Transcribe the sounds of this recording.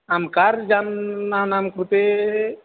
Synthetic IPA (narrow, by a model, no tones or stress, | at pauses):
amkaɾd͡ʒanːanamkɾut̪e